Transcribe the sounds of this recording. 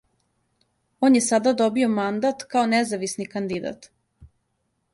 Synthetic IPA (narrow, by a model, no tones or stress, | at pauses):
oːnjesad̪ad̪obio̞mand̪at̪kaonɛzaʋisnikand̪id̪a̰t̪